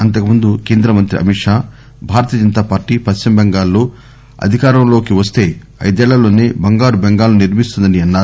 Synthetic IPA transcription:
ɐnt̪̬ɐkumund̪ukeːnd̪ɾɐmɐnt̪ɾiʔɐ̰miʂaː | bʱaːɾɐt̪ijɐd͡ʒɐnt̪aːpaːɾʈipɐst͡ʃimbɛŋɡaːlːoː | ɐ̰d̪ʱikaːɾɐmlo̞ːkiʋɐst̪e̞ː | ɐ̰jd̪ɛːɭɐlo̞ːneːbɐŋɡaːɾubeŋɡaːlːuniɾmist̪und̪ɐniɐnːaː

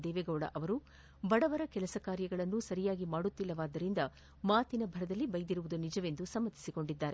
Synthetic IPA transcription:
d̪ɛːʋeɡɐwɽɐ̰ʔɐʋɐɾu | bɐɽɐʋɐɾɐkɛlɐsɐkaːɾjɐɡɐɭɐnːusɐɾijaːɡimaːɽut̪ːilːɐʋaːd̪ːɐɾind̪ɐ | maːt̪inɐbʱɐɾɐd̪ɐlːibɐjd̪iɾuʋud̪unid͡ʒɐʋe̞nd̪usɐmːɐt̪ːi̥siko̞ɳɖid̪ːaːɾe

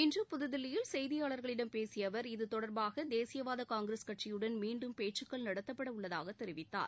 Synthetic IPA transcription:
ɪndrɯpʊðɯðɪlːɪjɪlsɛjðɪjaːɭɐɾɣɐɭɪɽɐmpeːsɪjɐʋɐɾɪðɯt̪ɔɽɐɾbaːɣɐd̪eːsɪjɐʋaːðɐkaːŋɡɪɾɐskɐʈt͡ʃɪjɯɽɐnmiːɳɖɯmpeːʈt͡ʃɯkːɐɭnɐɽɐt̪ːɐpːɐɽɐʊɭːɐðaːɣɐt̪ːɛɾɪʋɪt̪ːa̰ːɾ

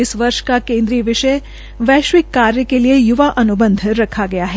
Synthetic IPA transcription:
ɪsʋəɾʃkakẽːnd̪ɾiːʋɪʃəe | ʋɛːʃʋikːaɾjəkelijejuʋaʔɐnubə̃nd̪ʱɾɐkʰaɡɐjaɦe

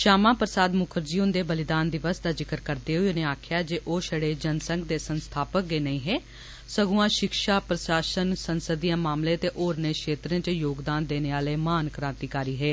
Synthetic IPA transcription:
ʃaːmãːpɾəsaːd̪mʊkʰəɾd͡ʒiːʊ̃nd̪eːbəlɪd̪aːnd̪ɪʋəsd̪aːzɪkəɾkəɾd̪eːɦoeneːaːkʰjaːd͡ʒeːʔoːʃəɽeːd͡ʒənsə̃ŋɡd̪eːsənst̪ʰaːpək̚ɡeːnəĩːɦɛː | səɡũːãːʃɪkʃaːpɾəsaːʃənsənsəd̪ijãːmaːmlẽːt̪eːʔoːɾneːkʃeːt̪ɾẽːt͡ʃəjoːɡd̪aːnd̪eːneːaːleːmaːnkɾãːnt̪iːkaːɾiːɦɛː

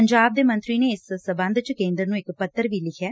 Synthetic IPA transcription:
əɲd͡ʒaːb̚d̪eːmə̃nt̪ɾiːneːɪssəbə̃nd̪t͡ʃkẽːnd̪ɾənũːɪkpət̪ːəɾʋiːlɪkʰɛː

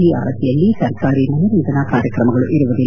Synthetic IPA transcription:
ia̰ːɾɐd̪ʰʱijɐlːisɐɾkaːɾinɐjɐɾiːd̪ɐnakaːɾjɐkɾɐmɐɡɐɭuʔiɾuʋud̪il

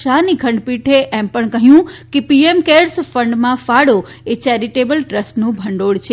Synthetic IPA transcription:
aniɡʱəɳɖpiʈʰeʔɛmpəɳ̃kəɦjũkepiemkeɾsfə̃ɳɖmãfaɽo | et͡ɕɛɾiʈebəlʈɾəsʈnũbʱəɳɖoɽt͡ʃʰe

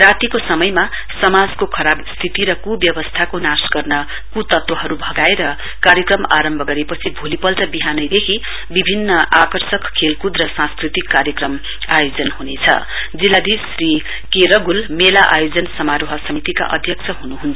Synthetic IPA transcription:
rat̪ikosʌmʌjma | sʌmad͡zkokʰʌɾabst̪ʰit̪iɾʌkubjʌbʌst̪ʰakonasɡʌrnʌ | kut̪ʌt̪wʌɦʌɾubʱʌɡaeɾʌ | kaɾjʌkrʌmaɾʌmbʱʌɡʌɾepʌt͡sʰibʱolipʌlʈʌbiɦanʌjd̪ekʰi | bibʱinːʌʔakʌrsʌkkʰːelkud̪rʌsãnskrit̪ikːaɾjʌkrʌm | ajod͡zʌnhunet͡sʰʌ̰ | d͡zilːad̪isri | keɾʌɡulmelaʔa̰jod͡zʌnsʌmaɾoɦʌsʌmit̪ika̰ʔʌ̰d̪ʱjʌkt͡sʰʌɦunuɦunt͡sʰʌ

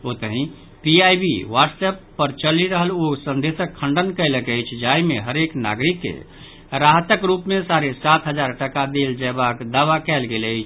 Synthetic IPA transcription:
ot̪əɦĩ | piajbḭwaɖsɛpːəɾt͡ʃəliɾəɦəlosə̃nd̪esəkʰːəɳɖənkələkəjt͡ʃʰd͡ʒajmeɦəɾekna̰ɡɾikːḛ | ɾaɦt̪əkɾupmesaɾesat̪ʰɦəd͡ʒaɾʈəkad̪eld͡ʒɛbakd̪aʋakɛlɡeləɪt͡ʃʰ

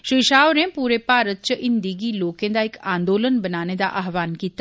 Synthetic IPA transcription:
ʃɾiːʃaːʋɾẽpuːɾepaːɾət̪̚t͡ʃəʔɪnd̪iɡiloːkẽd̪aɪkãːnd̪oːlənbɐnaːned̪a̰ʔaɦʋaːnkit̪

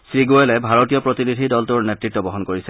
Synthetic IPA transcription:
ssɹiɡoelɛbʱaɹotijɔpɹɔtinidʱidɔltuɹnetɹitːɔbɔɦɔnkoɹisɛ

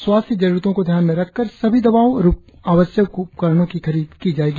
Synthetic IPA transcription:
swaːst̪ʰjəd͡ʒɐɾuɾt̪õkod̪ʱjaːnmẽɾɐkʰːɐɾsɐbʱid̪ɐbaːoɾp | aːwəsjəkupkəɾɽ̃õkixɐɾiːd̪kid͡ʒaːeːɡi

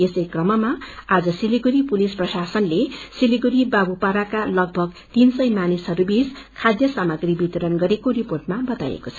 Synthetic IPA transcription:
esʌjkrʌmʌmaad͡zʌsiliɡuɾipulisprʌsasʌnlesiliɡuɾibabupaɾakalʌɡ̚bʱʌɡ | t̪insʌjmanisɦʌɾubis | kʰad̪jʌsamʌɡribit̪ʌɾʌnɡʌɾekoɾiporʈ̚mabʌt̪a̰jḛkot͡sʰʌ

